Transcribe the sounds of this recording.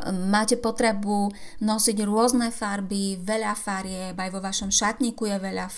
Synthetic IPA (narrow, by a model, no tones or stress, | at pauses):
maːcɛpɔt̪ɾɛbunɔsiɟɾʊɔznɛfaɾbiʋɛʎafaɾɪɛbajʋɔʋaʃɔmʃat̪ɲikujɛʋɛʎa